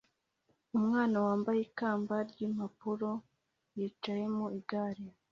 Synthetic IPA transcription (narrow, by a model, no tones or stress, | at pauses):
umŋaːnawaːmbajekaːmbaɾɟimapuɾo̞ | jiːt͡ʃaje̞muiɡaːɾi